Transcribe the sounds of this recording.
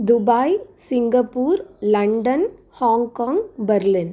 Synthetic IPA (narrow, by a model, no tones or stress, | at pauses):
d̪ʊbaːjsɪŋɡɐpːuːɾlɐɳɖɐn | haːŋkaːŋɡbɐɾlɪn